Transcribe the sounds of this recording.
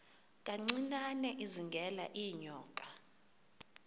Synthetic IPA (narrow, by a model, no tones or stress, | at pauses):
kʼaŋ͡ǀinanɛʔiziŋɡʱɛla̰ʔijɲɔːkʼḁ